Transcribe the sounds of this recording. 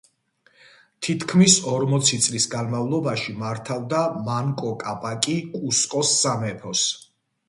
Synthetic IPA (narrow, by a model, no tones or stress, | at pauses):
t̪ʰit̪ʰkʰmisɔɾmɔt̪sʰit̪sʼlisɡanmavlˠɔbaʃimaɾt̪ʰavd̪amaŋkʼɔkʼapʼakʼikʼuskʼɔsːamɛpʰɔs